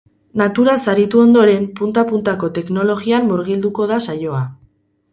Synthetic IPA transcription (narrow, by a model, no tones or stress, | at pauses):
nat̪uɾasaɾit̪uo̞nd̪o̞ɾe̞mpunt̪apunt̪ako̞t̪e̞kno̞lo̞ɣiamːoɾɣ̞ild̪uko̞ðasajo̞a